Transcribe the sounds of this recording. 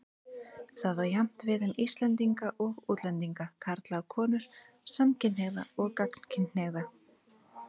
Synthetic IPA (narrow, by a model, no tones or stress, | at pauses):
θaðajam̥t̪vɪðʏmist̪lɛnt̪iŋkaʔɔɣuːt̪lɛnt̪iŋkakʰaɾt̪lakʰɔːnʏɾ̥ | samcɪnhɛɣða̰ɔɣkakn̥cʰɪneɣða